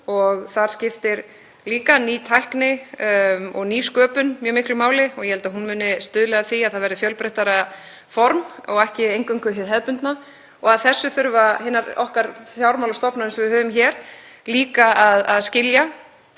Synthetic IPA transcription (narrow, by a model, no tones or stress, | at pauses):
ɔɣθaɾ̥scɪft̪ɪɾ | liːkaniːt̪ʰajhknɪ | ɔɣniːskœːpʏnmjœːmɪhklʏmaːwlɪɔɣjɛhɛlt̪aðɦunmʏːnɪst̪ʏːðlɛɣðaθiaðθaðvɛɾðɪfjœlpɾɛht̪aɾa | fɔɾmɔ̰ɣɛhcɪejŋkʏŋkvʏɦɪðɦɛðpʏnt̪na | ɔɣaðθɛsːʏθʏɾvaɦɪnːaɾɔhkaɾfjawɾmawlast̪ɔpnaɛnsɔvɪðhœːvʏmçɛːɾ̥ | liːkaaðaðscɪlja